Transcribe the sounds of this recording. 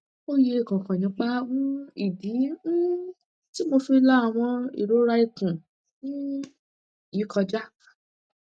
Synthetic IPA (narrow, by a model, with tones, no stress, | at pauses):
o˦je˧e˦˨kã˨kã˨nĩ˧˦k͡pa˦mũ˦i˦˨di˨˦ | ti˦mo˧fi˧˦la˦a˨w̃ɔ̃˧ḭ˨ɾo˨˦ɾa˧i˧kũ˨ | ũ˦˨ | ji˨˦kɔ˧d͡ʒa˦